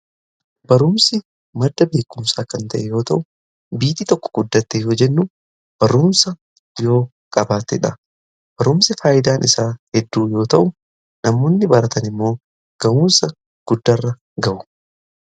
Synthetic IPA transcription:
b̥ɐɾʊmsɪ | mɐd̪ːɐbe̞ːkːʊmsaːkɐnt̪ɐʔɛjo̞ːt̪ɐʔʊ | biːt̪it̪ɔkːɔ̥ɡ̥ʊd̪ːɐt̪ːejo̞ːd͡ʒɛnːu | b̥ɐɾʊmsɐ | jo̞ː | kʼɐbaːt̪ɛᶑɐ | b̥ɐɾʊmsɪfaːjɪd̪aːnʔɪsaːhɛd̪ːuːjo̞ːt̪ɐʔʊ | nɐmoːnːɪbɐɾɐt̪ɐnɪmːo̞ː | ɡ̥ɐʔuːnsɐ | ɡ̥ʊd̪ːɐrːɐ | ɡɐʔʊ̥

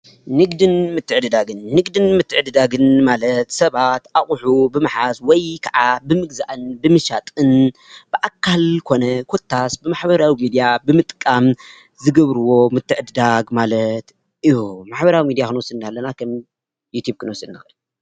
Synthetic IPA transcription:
nɨɡd̪ɨnmɨt̪ʰːɨʕɨd̪ɨd̪aɡɨnːɨɡd̪ɨnmɨt̪ʰːɨʕɨd̪ɨd̪aɡɨnmalɐt̪sɐβat̪ʔaχʼħubɨmaħaswɔjkʰaʕabɨmɨɡzaʔɨnbɨmɨʃat̪ʼɨnb̥ɨʔakʰːalkʰo̞nɐkʰot̪ʰːasbɨmaħbɐɾawimid̪ijabɨmɨt̪ʼkʼːam | zɨɡɐβɾɨwo̞mɨt̪ʰːɨʕɨd̪ɨd̪aɡmalɐt̪ | ʔɨjumaħbɐɾawimid̪ijaxɨnwɔsɨɨnd̪alːɐnakʰɐm | jut̪ʰjub̚kʰɨnwɔsɨnːɨxʔɨl

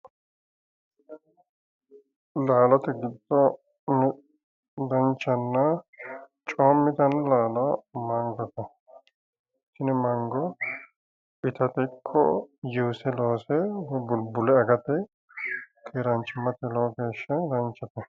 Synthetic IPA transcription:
laːlɐt̪ɛɡɪd̪ːɔ | n | d̪ɐnt͡ʃːɐnːɐ | t͡ʃʼoːmːɪt̪ɐnlaːlɔmɐŋɡɐt̪ɐ | ʃɪnmɐŋɡɔ | ɪt̪ɐt̪ɛkʰːɔjuːsɛloːsɛbʊlbʊlɛɐɡɐt̪ɛ | kʰeːɾɐnt͡ʃːɪmɐt̪ɛloːɡe̞ːʃːɐd̪ɐnt͡ʃːɐt̪ɐ

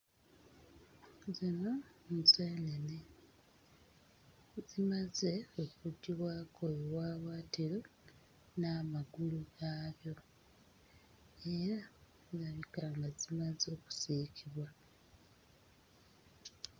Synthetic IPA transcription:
zino̞nzeːnene | zimaze̞okuɟiβwaːkʰojewaːβwaːtiɾo | naːmaɡuluɡaːβjo̞ | eɾa | zaβikaŋɡazimazo̞ːku̥sicʰiβwa

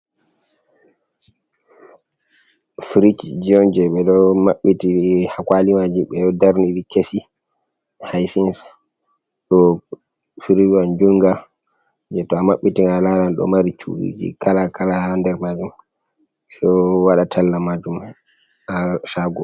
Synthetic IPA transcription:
fɾit͡ʃd͡ʒiɔnd͡ʒɛɓɛɗɔmaɓːitihakwalimad͡ʒiɓɛɗɔdaɾniɾikesi | hajsins | ɗɔ | fɾiand͡ʒulŋɡa | d͡ʒɛtɔamaɓːitiŋalalanɗɔ̰maɾit͡ʃṵɡḭd͡ʒḭkalakʰalaandɛɾmad͡ʒum | sɔwaɗatʰalːamad͡ʒum | aʃaɡɔ

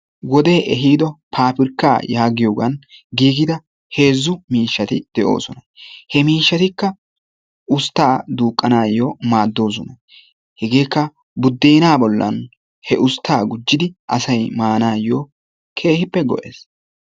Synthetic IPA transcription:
wɔd̪e̞ːʔɛɦiːd̪ɔpʰaːpɪɾkːa̰ːjaːɡɪjo̞ːɡɐnɡiːɡɪd̪ɐ | he̞ːzːʊmiːʃːɐt̪ɪd̪̥ɛʔo̞̰ːsɔnɐhɛmiːʃːɐt̪ɪkːɐ | ʊst̪ːaːd̪uːkʼːɐnaːjoːmaːd̪ːo̞ːs̬ɔnɐ | hɛɡe̞ːkːɐ | bʊd̪ːeːnaːbɔlːɐ̰n | hɛʔʊst̪ːaːɡʊd͡ʒːɪd̪ɪʔɐsɐjmaːnaːjoː | kʰe̞ːhɪpːɛɡɔ̰ʔḛːs

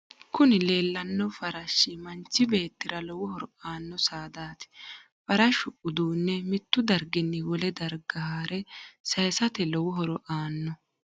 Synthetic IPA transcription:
kʊnɪle̞ːlːɐnːɔfɐɾɐʃːɪmɐnt͡ʃːɪbe̞ːt̪ːɪɾɐlɔwʊhɔɾɔʔaːnːɔsaːd̪aːt̪ɪ̥ | fɐɾɐʃʊʔʊd̪uːnːɛmɪt̪ːʊd̪ɐɾɡɪnːɪwɔlɛd̪ɐɾɡɐhaːɾɛsɐjsɐt̪ɛlɔwʊɦɔɾɔʔaːnːɔ

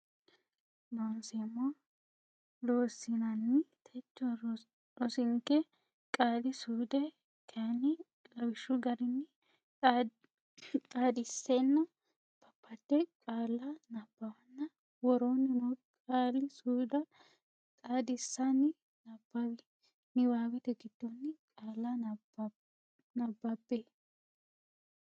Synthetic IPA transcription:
noːnsɛmːo | loːsɪnɐnːɪt̪ʰɛt͡ʃːɔ | ɔsɪŋkːɛ | kʼaːlɪsuːd̪ɛ | kʰɐnɪɡʼɐwɪʃʊɡɐɾɪnːɪ | kʼaːd̪ɪsːɛnːɐ | b̥ɐpːɐt̪ːɛkʼaːlːɐnɐb̥ːɐwɐnːɐ | wɔɾoːnːɪmɔkʼaːlɪsuːd̪ɐ | kʼaːd̪ɪsːanɪ | nɐbɐbɪ | nɪwaːwɛt̪ɛɡɪd̪̥ːonːɪkʼaːlːa | nɐbːɐbe

